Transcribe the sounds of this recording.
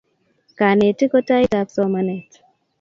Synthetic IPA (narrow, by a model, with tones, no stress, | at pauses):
ka˨ne˨ti˦kɔ˦ta˦jta˨t͡sɔ˦mane˨t